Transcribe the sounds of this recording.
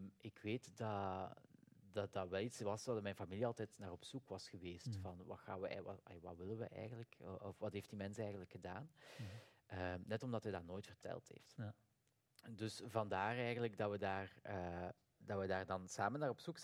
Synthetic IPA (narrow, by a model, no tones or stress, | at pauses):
mʔɪkʋeːtdɑ | dɑdɑʋɛlˠitsʋɑsɑdmɛjnfamiliɑlˠtɛtnaːrɔpsukʋɑsxəʋeːstfɑnʋɑ̰xa̰ːnʋəɛ̰ɑjaʋaʋɪlənʋə̰ʔɛ̰jɣənləkɔfʋɑtɦeːft̚dimɛnsəɛjɣənləkxədaːn | ənɛtɔmdɑtɦɛjdaːnoːjtfərtʰɛ̰lˠtɦḛːft | dɵsvɑndaːrɛjɣənləkdɑwədaːrə | d̥ɑʋədaːrdɑnsaːmənːaːrɔpsuk